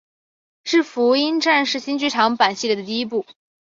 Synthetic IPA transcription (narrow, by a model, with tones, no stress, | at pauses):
ʂɻ̩˥˩fu˧˥i˥nʈ͡ʂa˥˧nʂɻ̩˥˩ɕi˥nt͡ɕy˥ʈ͡ʂʰɑ˧˥ŋpa˨˩nɕi˥˩lɛ˧˩d̪ə˩t̪i˥˧i˥p̬u˥˩